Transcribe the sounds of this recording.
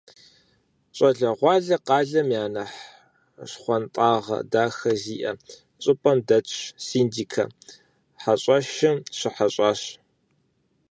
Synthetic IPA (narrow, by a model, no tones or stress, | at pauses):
ɕʼɐɮɐʁʷɑːɮɐqɑːɮɐmjaːnɐħ | ɕχʷɔntʼɑːʁɐ̰daːxɐziːʔɐ | ɕʼɨpʼɐmdɐt͡ʃʰsiːndiːkʰɐ̰ | ħaɕʼɐʃɪmɕɪħaɕʼɑːɕ